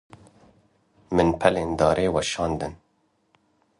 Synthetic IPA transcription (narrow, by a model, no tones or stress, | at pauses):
mɨnpʰɛleːnd̪ɑːɾʔeːwɛʃɑːnd̪ɨn